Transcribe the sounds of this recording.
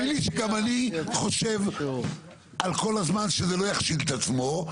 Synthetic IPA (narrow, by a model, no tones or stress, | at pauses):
iliʃeɡamaniχo̞ʃe̞v | ʔalko̞lazmanʃezelo̞jaχʃid̪et̪at͡smo̞